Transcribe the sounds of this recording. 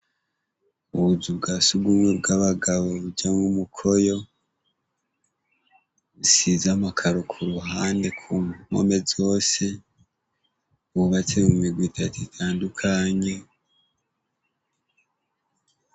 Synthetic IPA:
uβuzub̚ɡasuɡɡumwebɡaβaɡaβoβud͡ʒamŋumukʰo̞jo̞ | usizamakʰaɾokʰuɾuɦaːnde̞kʰuŋo̞̰me̞zo̞ːse̞ | uuβat͡seuumiɾɡwitʰatuitʰaːndukʰaɲe̞

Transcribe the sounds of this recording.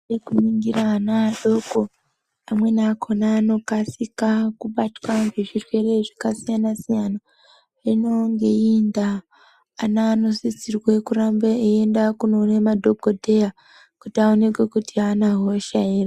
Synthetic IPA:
nekumiŋɡiraːnaɗo̞ɡo | amwe̞nakʰo̞naːno̞kasikakuɓatwaŋɡeʐirwe̞ɾeʐikasijanasijana | inoŋɡeindaː | naːno̞sit͡sirwekuɾambeejendakuno̞nemado̞ɡodʱe̞ja | kutaonekwekutianaɦoʃaira

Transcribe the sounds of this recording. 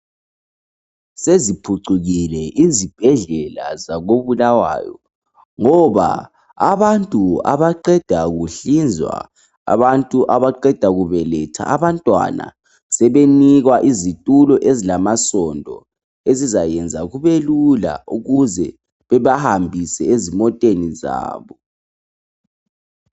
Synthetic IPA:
sezipʰuǀuɣilɛʔizib̥ʱɛɮɛla̰zaɣoβulawa̰ːjɔ̰ | ŋɔβa̰ | aβantʼua̰βaǃɛd̥ʱaɣuɬind͡zʱwa̰ | a̰βantʼuʔaβaǃɛd̥ʱaɣuβɛlɛtʰa̰ːβantʼwa̰na̰ | sɛβeniɣwaʔizitʼulɔʔezilamasɔndʱɔ | ezizajɛnd͡zʱaɣuβelula̰uɣuzɛ̰ | βɛβahambʱisɛezimɔtʼeniza̰ːβɔ

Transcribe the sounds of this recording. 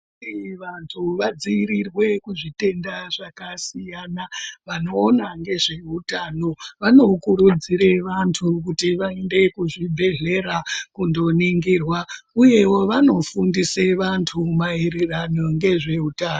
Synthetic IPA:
iʋantʰuʋad͡ziːɾirwe̞kuʐite̞ndaʐakasijanaʋano̞ːnaŋɡe̞ʐe̞utano̞ʋano̞kuɾud͡ziɾe̞ʋantʰuk̬utiʋae̞nde̞kuʐibʱe̞ɮe̞ɾakundo̞niŋɡirwauje̞wo̞ʋano̞fundise̞ʋantʰumaeɾeranoŋɡe̞ʐe̞utaːno

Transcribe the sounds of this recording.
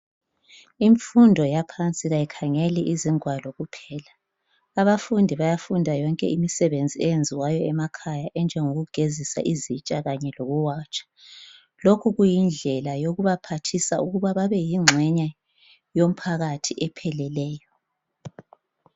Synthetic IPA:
iɱfundʱɔjapʰant͡sʼiɣajikʰaŋeliʔiziŋwalɔɣupʰɛːlaː | βafundʱiβajafundʱajɔŋkʼɛ̰imisɛβend͡zʱiɛjend͡zʱiwajɔɛmakʰajaʔɛnd͡ʒʱɛŋoɣuɡ̥ʱezisa̰ʔizit͡ʃʼaɣaɲɛloɣuwaːt͡ʃʼḁ | lokʰuɣujind͡ɮʱɛlajoɣuβapʰatʰisauɣuβaβaβɛjiŋ͡ǁʱɛɲa | jom̩pʰaɣatʰiʔɛpʰɛlɛlɛːjɔ

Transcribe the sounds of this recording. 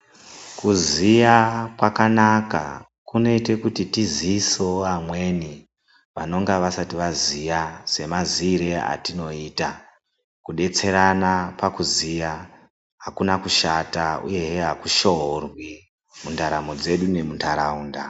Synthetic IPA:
kuzijakwakanaka̰ | kuno̞ite̞kutitiziso̞amwe̞ni | ʋano̞ŋɡaʋasatiʋazijase̞maziːɾea̰tino̞iːta | kuɗe̞t͡se̞ɾanapakuzija | ɦakunakuʃataṵje̞ɦeɦakuʃoɦorwi | mundaɾamod͡ze̞ɗune̞muntʰaɾauːnda

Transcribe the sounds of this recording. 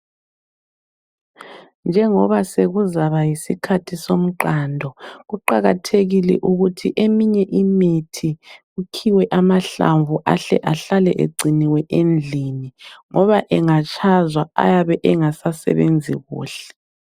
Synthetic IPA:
nd͡ʒʱɛŋɔβaseɣuzaβajisikʰatʰisom̩ǃaːndʱɔɣuǃaɣatʰeɣilɛ̰ʔuɣutʰiʔemiɲɛʔimitʰiɣukʰiwɛʔamaɬa̰ɱvuʔa̰ɬɛ̰ʔaɬalɛʔḛɡ͡ǀʱiniwɛʔend͡ɮʱiniŋɔβaʔɛŋat͡ʃʰʼazwaa̰jaβɛʔɛŋasasɛ̰βend͡zʱiɣṵːɬɛ̥

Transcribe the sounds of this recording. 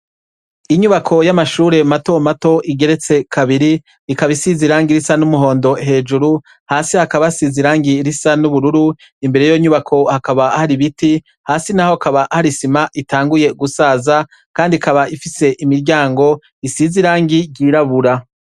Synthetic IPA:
iɲuβakʰo̞jamaʃuːɾe̞mato̞mato̞ʔiɡe̞ɾe̞t͡se̞kʰaβiɾi | ikaβisiziɾaːŋɡiɾisanumuɦo̞ːndo̞ɦe̞ːd͡ʒuɾu | haːsihakaβasiziɾaːŋɡiɾisanuβuɾuɾu | imbe̞ɾe̞joɲuβakʰo̞hakaβahaɾiβiti | haːsinaho̞kaβaʔhaɾisimaʔitaːŋɡuje̞ɡusaːza | kaːndikaβaʔifise̞ʔimiɾɟaːŋɡo̞ | isiziɾaːŋɡiɾɟiːɾaβuɾa

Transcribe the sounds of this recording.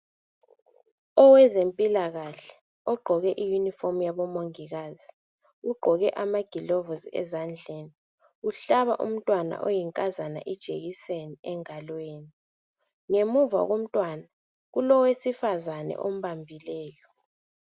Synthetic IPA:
ɔwɛzempʼilaɣaɬɛ̥ | ɔɡ͡ǃʱɔɣɛʔijunifom̩jaβɔmoŋiɣaːzi | uɡ͡ǃʱɔɣɛʔamaɡ̥ʱilɔvɔziɛ̰zand͡ɮʱeːni | uɬaβa̰ʔṵm̩tʼwana̰ʔojiŋkʼazana̰ʔid̥ʒ̥ʱḛɣiseniɛŋalweːni | ŋemuva̰ɣom̩tʼwana | ɣulɔwesifazanɛ̰ʔom̩βambʱilɛːjɔ

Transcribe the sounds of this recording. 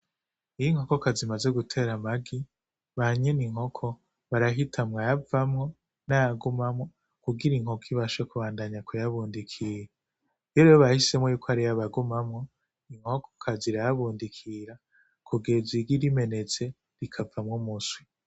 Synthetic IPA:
ijiŋ̥hoko̞kazimaze̞ɡutʰe̞ɾamaɡi | βaɲeniŋho̞kʰo̞ | βaɾaɦitʰamŋajavamŋo̞ | najaɡumamŋo̞ | kuɡiɾiŋho̞kiβaʃekuβaːndaɲakujaβuːndikʰije | jɾejoβahise̞mŋojuːkʰoaɾijaβaɡumamŋo̞ | iŋho̞kʰo̥kʰaziɾajaβuːndikʰiɾa | kʰuɡe̞ziɾɡiɾime̞ne̞t͡se̞ | ɾikʰavamŋomuswi

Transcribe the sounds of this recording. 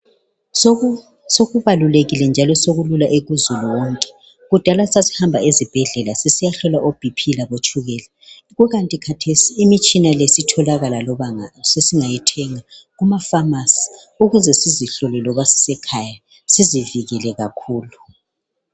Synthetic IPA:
soɣuβaluleɣilɛnd͡ʒʱalɔsoɣululaʔeɣuzuluwɔŋkʼɛ̥ | ɣud̥ʱalasasi̥hambʱaezib̥ʱɛɮɛlasesijaɬɔlaʔob̥ʱipʰilaβot͡ʃʼuɣɛla | ɣwɛɣantʼikʰatʰesiːmit͡ʃʼinalesitʰɔlaɣalalɔasesiŋajitʰɛŋaɣumafamasi̥ | uɣuzɛsiziɬɔlɛlɔβasi̥sɛkʰaja | siziviɣilɛɣakʰuːlu

